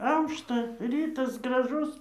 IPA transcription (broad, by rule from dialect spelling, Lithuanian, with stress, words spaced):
ˈɐʊʃtɐ ˈrʲiːtɐs ɡrɐˈʒʊs